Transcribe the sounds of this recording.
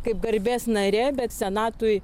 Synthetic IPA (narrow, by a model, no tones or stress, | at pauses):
kɐɪp̚ɡɐɾʲbʲeːsnɐɾʲɛːbʲɛt̪sʲɛnɑːt̪ʊj